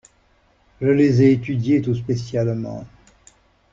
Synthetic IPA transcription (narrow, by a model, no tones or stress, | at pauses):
ʒəlezɛet̪yd̪jet̪us̬pesjalmɑ̰̃